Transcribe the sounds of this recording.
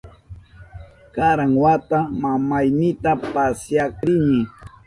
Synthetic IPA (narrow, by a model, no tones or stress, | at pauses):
kaɾaŋwat̪amamajnɪt̪apasjakɾɪnɪ